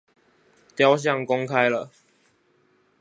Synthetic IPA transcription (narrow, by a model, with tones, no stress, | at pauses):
t̪jɑ˥˦ʊɕ̬jɑ˥˨ŋkɔ˦ŋkʰa˦ɪlə˨